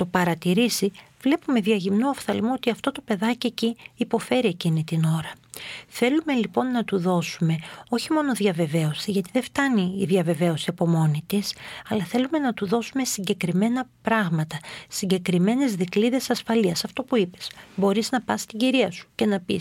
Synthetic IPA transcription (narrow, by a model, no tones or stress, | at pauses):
t̪o̞pɐɾɐt̪iɾisi | vle̞pume̞ðɐʝimnoɐfθɐlimoo̞t̪iɐft̪o̞t̪o̞pe̞ðɐcieciːpo̞fe̞ɾie̞cinit̪ino̞ɾɐθe̞lume̞lipo̞nːɐt̪uðo̞sume̞o̞çimo̞no̞ðjɐve̞ve̞o̞siʝɐt̪iðeft̪ɐniːðjɐve̞ve̞o̞siɐpo̞mo̞nit̪isɐlɐθe̞lume̞nɐt̪uðo̞sume̞siɲɟe̞kɾime̞nɐpɾɐɣmɐt̪ɐsiɲɟe̞kɾime̞ne̞zðikliðe̞sɐsfɐliɐsɐft̪o̞puipe̞̥sbo̞ɾiznɐpɐst̪iɲɟiɾiɐsu̥ce̞nɐpis